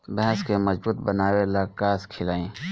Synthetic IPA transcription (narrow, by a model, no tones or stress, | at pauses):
bɛɦɛskemɐzbuːt̪bənaːwelakaːskʰɪlaːĩː